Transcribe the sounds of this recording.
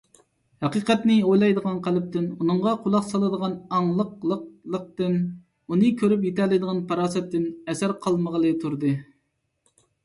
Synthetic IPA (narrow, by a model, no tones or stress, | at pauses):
hɑqiːqɛt̪nɪojlˠɑjd̪əʁɑnqʰælɪp̚t̪ʰɪnunɨɴʁɑqʰʊlˠɑqsɑlˠɨd̪əʁɑnɑŋlˠəqlˠəq̚lˠəq̚t̪ɨn | unɨkʲʰøɾyp̬jet̪ʰɛlˠɪd̪əʁɑnpʰɑɾɑːsɛt̪ːɪnɛsæɾqʰɑlˠməʁəlˠɨt̪ʰuɾd̪ɨ